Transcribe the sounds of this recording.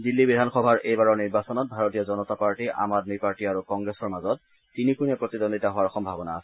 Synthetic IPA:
dilːibidʱanxɔbʱaɹʔejbaɹɔniɹbasɔnɔt̚bʱaɹɔtiɔzɔnɔtapaɹtiʔa̰madmipaɹtiaɹukɔŋɡɹɛsɔɹmazɔt̚ː | inikunɛpɹɔtidɔnditaɦʊaɹxɔmbʱabɔnaːsɛ

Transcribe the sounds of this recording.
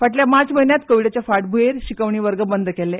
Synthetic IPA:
faʈljamat͡sməɦinjat̪kəʋiɽat͡ɕjafaʈ̚bʱueɾɕikəʋɳ̃iːʋəɾɡəbənd̪ʱəkɛlːe

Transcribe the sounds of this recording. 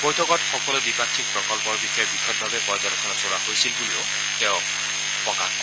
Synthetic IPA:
b̥ojtʰɔkɔtxɔkɔlɛdipatʰːik̚pɹɔkɔlpɔɹbixabixʰɔt̚bʱabɛpɔjzaɾɔkʰɔnɔsoɹahojsilbuliʊ | tɛʊ | pɔka̰

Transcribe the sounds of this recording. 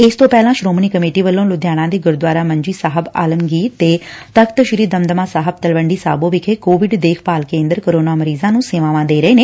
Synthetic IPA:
ɪst̪õːpɛːlãːʃɾoːmniːkəmeːʈiːʋəlːõːlʊd̪ʱjaːɽ̃ãːd̪iːɡʊɾd̪waːɾaːməɲd͡ʒiːsaːɦəba̰ːləmɡiːt̪ːeːt̪əkʰt̪əʃɪɾiːd̪əmd̪əmãːsaːɦəb̚t̪əlʋəɳɖiːsa̰ːbõːʋɪkʰeːkoːʋɪɖd̪eːkʰpaːlkẽːnd̪əɾkoɾoːnaːməɾiːzãːnũːseʋãːʋãːd̪eːɾəeːneː

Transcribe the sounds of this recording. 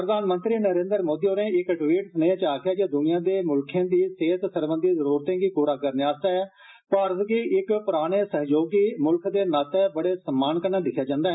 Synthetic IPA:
pɾəd̪aːnmə̃nt̪ɾiːnəɾẽːnd̪əɾmoːd̪iːoːɾẽːɪkʈʋiːʈsənəjãːt͡ʃaːkʰɪjaːd͡ʒaːd̪ʊnɪ̃jãːd̪eːmʊlkʰãːd̪iːseːt̪səɾbə̃nd̪iːzəɾuːɾt̪ẽːɡiːpuːɾaːkəɾneːaːst̪aːɦɛː | pəɾskiʔɪkpʊɾaːɽ̃eːsəɦjoːɡiːmʊlkʰd̪eːnat̪ɛbəɽeːsəmːaːnkəɾnãːlɪkʰjaːd͡ʒãːnd̪aːɦɛː

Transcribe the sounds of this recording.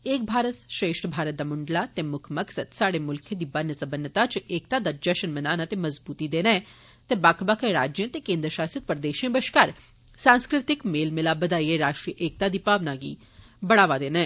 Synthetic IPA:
eːk̚bʱaːɾət̪ʃɾeːʃʈbʱaːɾət̪̚d̪amʊɳɖlat̪emʊkʰmɐksəd̪saːɽemʊlkʰẽd̪ibɐnːəsɐbənət̪at͡ʃeːk̚t̪ad̪ad͡ʒɐʃənmənaːnat̪emɐzbuːt̪id̪eːnɛ̃ː | t̪ebaːkʰbakʰeɾaːd͡ʒjə̃t̪ekẽːnd̪ɾəʃaːsət̪̚pəɾd̪eːʃə̃bəʃkaɾ | sãːnskɾɪt̪ɪkmeːlmɪlabəd̪aːieɾaːʃʈɾijəʔeːk̚t̪ad̪ipaːʋnaɡḭː | bɐɽaːʋad̪eːneɛː

